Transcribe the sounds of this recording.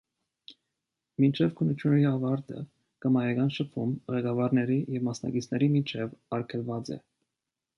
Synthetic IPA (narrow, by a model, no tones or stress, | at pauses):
mint͡ʃʰɛvkʰənːut͡ʃʰjunɛɾiɑvɑɾt̪ə̰ | kəmɑjɛɡɑnʃəpʰumʁɛɡɑvɑɾnɛɾijɛvmɑsnɑ̰ɡit͡sʰnɛɾimit͡ʃʰɛvɑɾkʰɛlvɑt͡sɛ̰